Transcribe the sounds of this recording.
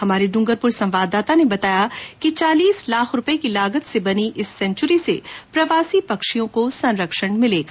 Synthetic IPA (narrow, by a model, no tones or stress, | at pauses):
ɦɐmaːɾiɖʊ̃ŋɡəɾpʊɾsɐ̃mʋaːd̪ːaːt̪anebɐt̪aːjakit͡ʃaːliːslaːkʰɾʊpekilaːɡət̪sebɐniʔɪsːɛ̃ɲt͡ʃʊɾisepɾɐʋaːsipɐkʃijõkosɐ̃nɾəkʃəɽ̃mɪleːɡaː